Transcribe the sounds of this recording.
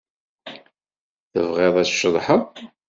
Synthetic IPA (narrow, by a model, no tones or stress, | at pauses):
θə̰vʁɪðˤæ̥ʃəðˤħəðˤ